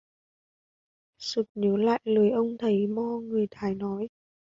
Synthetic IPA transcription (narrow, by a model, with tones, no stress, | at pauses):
sɨ˨˩k̚ɲəː˨˦la̰ː˧˨jlɨ˨˩˦jʔə˧wŋ͡mt̪ʰə˨˦jmɔ˧ŋɨ˨˩əjt̪ʰaː˨˩˦jnɔ˨˦j